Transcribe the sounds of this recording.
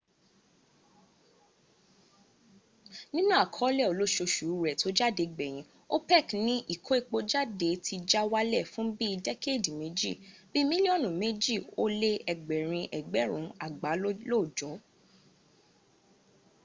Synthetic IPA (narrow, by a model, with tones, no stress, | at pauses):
nĩ˦nũ˦a˦˨kʰɔ˨˦lɛ˦˨o˨lo˨˦ʃo˧ʃu˨ɾu˦˨ɾɛ˨to˨˦d͡ʒa˦˨de˨˧ɡ͡bɛ˨j̃ĩ˨˧˦ | o˦pɛ˦˨knĩ˦ʔi˦˨kʰo˦e˦˨k͡po˧d͡ʒa˦˨de˨˦tʰi˧d͡ʒa˦wa˦lɛ˦˨fũ˨˦bi˦i˧dɛ˦ke˦˨di˨me˨˦d͡ʒḭ˦˨bi˦mĩ˦li˦ɔ˦˨nũ˨me˦d͡ʒi˦˨o˦le˦ɛ˨ɡ͡bɛ˨ɾ̃ĩ˧ʔɛ˨ɡ͡bɛ˨˦ɾ̃ũ˨˦a˨ɡ͡ba˨˦lo˦˨d͡ʒɔ˨˦